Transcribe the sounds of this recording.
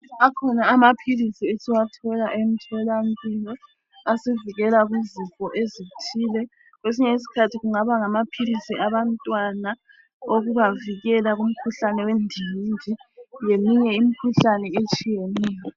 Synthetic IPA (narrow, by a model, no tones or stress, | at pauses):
akʰɔnaːmapʰilisiesiwatʰɔlaʔem̩tʰɔlam̩pʼilɔ | asiviɣɛlaɣuzikʼɔʔezitʰiːlɛ | ɣwes̬iɲɛis̬i̥kʰatʰiɣuŋaβaŋamapʰilisiaβantʼwana | oɣuβaviɣɛlaɣum̩kʰuɬanɛwendʱijnd͡ʒʱijemiɲɛim̩kʰuɬanɛet͡ʃʼijenɛːjɔ